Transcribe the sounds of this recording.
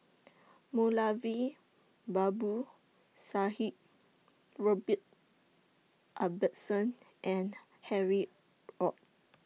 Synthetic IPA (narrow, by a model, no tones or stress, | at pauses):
mulavi | babu | sahip̚ | ɹɔbit̚ | ʔabətsɔ̃n | ʔɛ̃n | hɛɹi | ɹɔt̚